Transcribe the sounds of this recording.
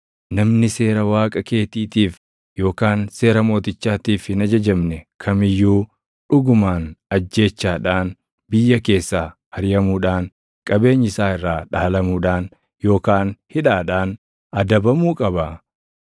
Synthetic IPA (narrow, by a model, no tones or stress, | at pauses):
nɐmnɪse̞ːɾɐwaːkʼɐke̞ːt̪iːt̪iːf | jo̞ːkaːnse̞ːɾɐmo̞ːt̪ɪt͡ʃːaːt̪iːfhɪnɐd͡ʒɐd͡ʒɐmnɛkʰɐmɪjːuː | ᶑʊɡʊmaːnɐd͡ʒːe̞ːt͡ʃːaːᶑaːn | bɪjːɐke̞ːsːaːhɐɾɪjɐmuːᶑaːŋ | kʼɐbe̞ːɲːɪsaːɪrːaːᶑaːlɐmuːᶑaːn | jo̞ːkaːnhɪᶑaːᶑaːn | ɐd̪ɐbɐmuːkʼɐbɐ